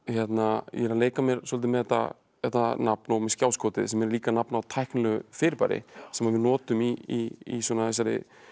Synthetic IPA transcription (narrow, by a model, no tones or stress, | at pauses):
çjɛt̪najɛɾaleːjkamjɛɾ̥sɔlt̪̬ɪmɛðɛt̪ːa̰ | jɛt̪nanapnɔwmɛscjaːwskʰɔːt̪ɪðsɛmɛɾliːkanapnawt̪ʰajhknlɛɣʏfɪːɾɪpa̰ɾɪ̰sɛmavɪðnɔːt̪ʏmiiiswɔnaɛs̬aɾɪ̰